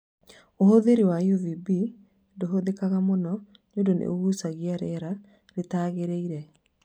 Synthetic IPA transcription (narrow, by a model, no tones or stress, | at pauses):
ohoðeɾewajovibi | ndoɦoðekaɣamonɔ | ɲodonḛoɣusaɣiaɾɛɾa | ɾetaːɣeɾeiɾɛ